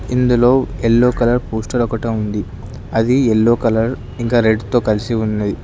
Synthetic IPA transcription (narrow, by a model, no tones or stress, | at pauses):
ind̪ulo̞ːelːoːkɐlɐɾpuːsʈɐɾɔkɐʈɐmund̪i | ɐd̪ielːoːkɐlɐɾ | iŋkaːɾe̞ɖt̪o̞ːkɐlisiunːɐd̪i